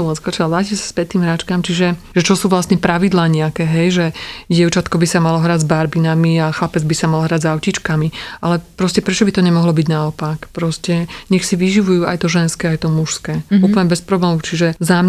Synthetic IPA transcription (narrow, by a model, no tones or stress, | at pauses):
ɔmɛskɔt͡ʃɛaʋlaːciɛsḁspɛt̪iːmɦɾaːt͡ʃkamt͡ʃiʒɛʒɛt͡ʃɔsuːʋlasɲɛpɾʔaʋid̪laːɲɛakɛːɦɛjʒɛɟɛʊt͡ʃat̪kɔbisamalɔɦɾaːɟzbaɾbinamiaxlapɛd͡zbisamalɦɾaɟzaʊcit͡ʃkamiʔalɛpɾɔscɛpɾɛt͡ʃɔbit̪ɔɲɛmɔɦlɔbiɟnaɔpakpɾɔscɛɲɛxsiʋiʒiʋujuːa̰jt̪ɔʒɛnskɛːajt̪ɔmuʃskɛːuːpl̩ɲɛbɛspɾɔblɛːmut͡ʃiʒɛzam